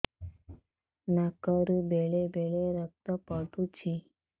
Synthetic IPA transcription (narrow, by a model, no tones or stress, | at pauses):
nakəɾbeɭebeɭeɾək̚t̪apəʈut͡ɕi